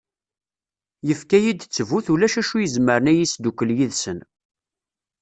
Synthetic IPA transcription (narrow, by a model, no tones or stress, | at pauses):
jəfkæjid̪t͡sːəvuθulæʃæʃujəzməɾənæjisd̪ukəljiðsən